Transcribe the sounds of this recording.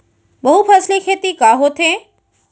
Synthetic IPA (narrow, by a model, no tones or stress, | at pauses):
bɐɦupʰɐslikʰeːt̪ikaːɦot̪ʰẽ